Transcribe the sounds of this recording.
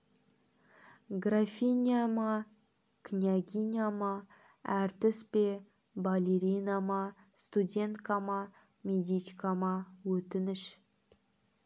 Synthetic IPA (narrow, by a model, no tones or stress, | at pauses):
ɡrafʲinʲijamɑ | kʰnʲaɡʲinʲjamɑ | æɾt̪ɪspe | balʲeɾʲijnɑmɑ | st̪udʲe̞nt̪kɑmɑ | mʲed̪ʲit͡ʃkɑmɑwɵt̪ɪnɪʃ